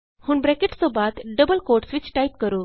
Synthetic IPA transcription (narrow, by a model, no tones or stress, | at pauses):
huːɳbɾekeʈsobat̪ɖəbəlkoɾʈsʋit͡ɕʈajp̚kəɾu